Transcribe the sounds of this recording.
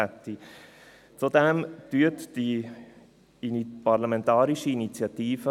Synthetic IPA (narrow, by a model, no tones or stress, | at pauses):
ɛt̪ːi | t͡sudɛmtyətd̥i | inpɑɾlamɛ̃ntɑːɾiʃiːnit͡sjɑtiːfə